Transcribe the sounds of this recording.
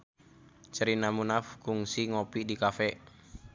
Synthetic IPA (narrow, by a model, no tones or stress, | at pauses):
t͡ʃəɾinamunafkuŋsiŋopidikafɛʔ